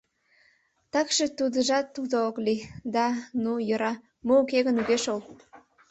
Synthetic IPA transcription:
t̪ɑkʃet̪ud̪əʒɑt̪ːud̪ooklid̪ɑnujə̆ɾɑ | moːkeɣənuɣeʃol

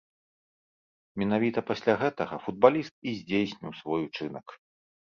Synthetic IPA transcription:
mʲɛnavʲit̪ɐpasʲlʲaɣɛt̪ɐɣɐfud̪̚balʲist̪̚izʲd͡zʲejsʲnʲiwsvɔjut͡ʂɨnɐk

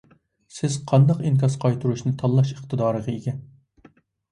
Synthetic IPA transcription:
sɪz̥qʰɑnd̪ɑqinkʲɑsqʰɑjt̪ʰuɾuʃnɪt̪ʰɑlˠːɑʃəχt̪ʰɨd̪ɑːɾəʁɨeɡʲɛn

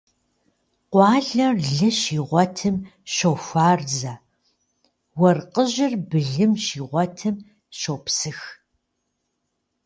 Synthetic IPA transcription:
qʷɑːɮɐrɮɐʃiːʁʷɔtʰɨmɕowfʷaːrzɐ | wɐrqəʑɪrbɨɮɨmʃiːʁʷɔtʰɨm | ʃowpsɨx

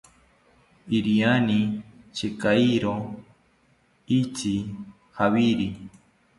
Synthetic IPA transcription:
iɾianit͡ʃekaiɾo | it͡ʃi | hawiɾi

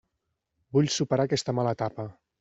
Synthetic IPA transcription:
buʎʲsupəɾakɛst̪əmalət̪apə

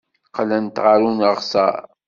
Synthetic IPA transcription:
qlænt̪ʁəɾunəʁsɑ̰ɾ

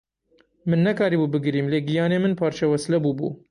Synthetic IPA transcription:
mɨnːɛkɑːɾiːbuːbɨɡɨɾiːmleːɡijɑːneːmɨnpʰɑːɾt͡ʃʰɛwɛslɛbuːbṵː

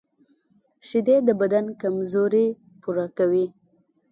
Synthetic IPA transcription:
ʃɪd̪ed̪əbad̪ankamzoɾe | puɾakawi

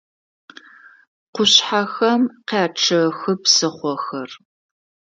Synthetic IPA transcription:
qʷʊɕħaxɐmqeːʈ͡ʂʰɨxɨpsɨχʷɔxɐr

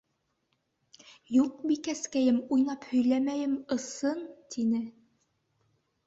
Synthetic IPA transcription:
juq̚bikæskæjɘmujnɑphɵ̆jlæmæjɘmɤ̆sɤnt̪ʰinɘ

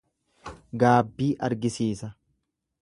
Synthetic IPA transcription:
ɡaːbːiːʔɐɾɡɪsiːsɐ

